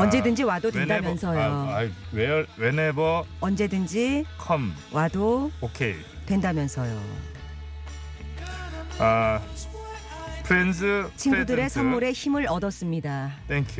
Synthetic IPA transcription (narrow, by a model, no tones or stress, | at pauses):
ʌnd͡ʑe̞dɯnd͡ʑiwadodwendamjʌnsʰʌjjoawewenebʌʌnd͡ʑe̞dɯnd͡ʑikʰʌmwadookʰḛj | twe̞ndamjʌnsʰʌjo̰ | a | pʰɯɾensʰɯt͡ɕʰinɡudɯɾe̞sʰʌnmuɾe̞çimɯɾʌdʌs͈ɯmɲidat̪ʰeŋkʰju